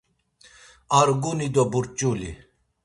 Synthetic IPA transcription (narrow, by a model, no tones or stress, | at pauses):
aɾɡunid̪ɔbuɾt͡ʃʼulḭ